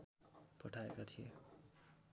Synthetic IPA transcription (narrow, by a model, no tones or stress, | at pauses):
pʌʈʰaḛkat̪ʰijḛ